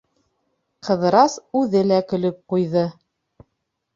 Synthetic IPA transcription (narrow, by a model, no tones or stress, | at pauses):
qʰɤ̆ðɤ̆ɾɑsʉðɘlækɵ̆lɵp̚qujðɤ